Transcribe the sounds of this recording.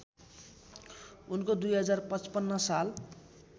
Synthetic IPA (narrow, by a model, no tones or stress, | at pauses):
unkod̪ujɦʌd͡zarpʌt͡spʌnːʌsal